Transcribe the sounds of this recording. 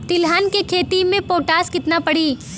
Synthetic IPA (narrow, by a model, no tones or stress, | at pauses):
t̪ɪlɦaːnkekʰeːt̪imẽpoːʈaːskɪt̪napɐɽiː